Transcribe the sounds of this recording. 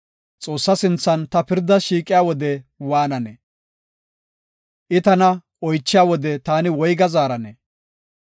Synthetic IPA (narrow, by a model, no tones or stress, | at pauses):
t͡sʼo̞ːsːɐsɪnt͡sːɐnt̪ɐpɪɾd̪ɐʃiːkʼɪjaːwɔd̪ɛwaːnɐnɛ | ʔɪt̪ɐnɐ | ɔjt͡ʃːɪjaːwɔd̪ɛt̪aːnɪwɔjɡɐzaːɾɐnɛ